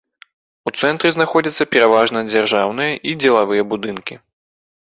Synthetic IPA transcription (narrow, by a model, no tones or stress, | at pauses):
ut̪sɛnt̪ɾɨznaxɔd͡zʲɐt̪sːɐpʲɛɾavaʐnɐd͡zʲarʐawnɨjɐʔid͡zʲɛlˠavɨjɐbud̪ɨnkʲi